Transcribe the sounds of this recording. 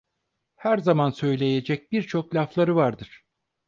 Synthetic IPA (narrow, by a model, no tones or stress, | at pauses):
hæɾzamansø̞jlʲe̞je̞d͡ʒɛc̚biɾt͡ʃʰo̞klʲaflˠaɾɯvaɾd̪ɯɾ̥